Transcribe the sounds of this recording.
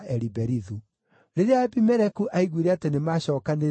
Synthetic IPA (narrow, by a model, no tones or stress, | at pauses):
ʔɛɾibɛɾiðu | ɾeɾeaɛpimɛɾɛkuʔaiɣwiɾeatenemaːɕɔːkane